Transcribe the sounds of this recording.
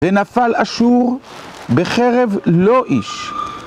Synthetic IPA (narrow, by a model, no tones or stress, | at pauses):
venafalaʃuʁ | beχeʁevlo̞ʔiʃ